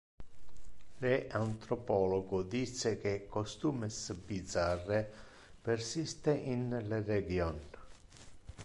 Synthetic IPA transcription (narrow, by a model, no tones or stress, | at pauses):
leʔant̪ɾɔpɔːlɔɡʊd̪isːek̟ekːost̪uːmɪsbid̪zarːe | persist̪eʔinlereɡjɔn